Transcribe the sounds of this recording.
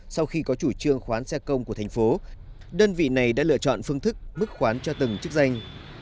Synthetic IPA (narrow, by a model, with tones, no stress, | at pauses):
sa˧wxi˧kɔ˨˦t͡ɕu˧˩t͡ɕɨ˧əŋxwaː˨˦nsɛ˧kə˧wŋ͡mku˧˩ət̪ʰŋ̟fo˨˦ | ɗəː˧nvḭ˧˨na˨˩jɗa̰ː˧˥lɨ̰˧ət͡ɕɔ̰˧˨nfɨ˧əŋt̪ʰɨ˦˥k̚mɨ˦˥k̚xwaː˨˦nt͡ɕɔ˧t̪ɨ˨˩ŋt͡ɕɨ˦˥ək̚za˧jŋ̟